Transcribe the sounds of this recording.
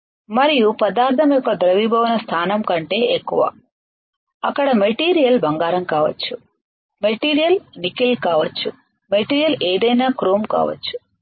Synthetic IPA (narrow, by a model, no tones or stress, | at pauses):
mɐɾijupɐd̪aːɾt̪ʰɐmjɔkːɐd̪ɾɐʋibʱɐʋɐnɐst̪ʰaːnɐmkɐɳʈe̞ːʔekːuʋa̰ː | ɐkːɐɽɐme̞ʈiːɾijɐlbɐŋɡaːɾɐmkaːʋɐ̰t͡ʃːu | meʈiːɾijɐlnikilkaːʋɐt͡ʃːu | meʈiːɾijɐleːd̪ɐjnaːkɾoːmka̰ːʋɐ̰t͡ʃːu̥